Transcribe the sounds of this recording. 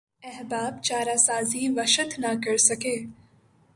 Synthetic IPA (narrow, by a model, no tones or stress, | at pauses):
ɛɦbaːbt͡ʃaːɾaːsaːziːʋəʃət̪nakəɽsɐkeː